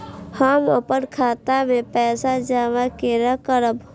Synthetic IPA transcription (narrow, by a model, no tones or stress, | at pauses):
haməpənkʰaːt̪amẽpɛːsad͡ʒaːʋakeɾakəɾəb